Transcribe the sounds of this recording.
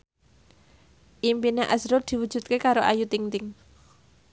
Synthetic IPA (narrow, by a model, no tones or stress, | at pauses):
ʔimpineʔa̰zɾʊd̪̥i̤wud̥ʒ̥ṳt̪̚kekaɾoʔajut̪iŋt̪ɪŋ